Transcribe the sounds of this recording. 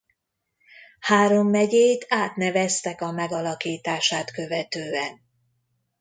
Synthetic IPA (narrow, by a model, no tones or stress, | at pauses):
haːɾo̞mːɛɟeːjt̪aːt̪nɛvɛst̪ɛkɒmɛɡɒlɒkiːt̪aːʃaːt̪kø̞vɛt̪øːɛn